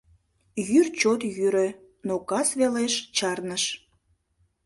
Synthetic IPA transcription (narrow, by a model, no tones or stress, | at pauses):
jyrt͡ɕot̪jyɾø̆ | nokɑsβeleʃt͡ɕɑrnəʃ